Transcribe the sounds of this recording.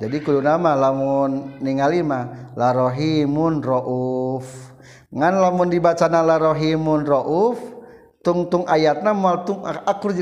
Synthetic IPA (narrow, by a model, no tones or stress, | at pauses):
d͡ʒadikulunamalamʊnːiŋalimalaɾoɦimunrɔʔuf | ŋanlamundibat͡ʃanalaɾoɦimʊnrɔʔuf | t̪uŋt̪uŋʔajat̪̚namualt̪uŋaakʊrd͡ʒ